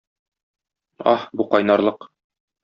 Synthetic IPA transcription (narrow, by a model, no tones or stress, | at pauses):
ɒ̰hbuqɒjnɑɾlˠɤq